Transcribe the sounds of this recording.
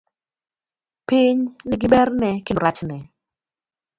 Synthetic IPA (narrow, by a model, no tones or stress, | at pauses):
pɪɲnɪɡɪbɛrnɛkɪoɾat͡ʃnɛ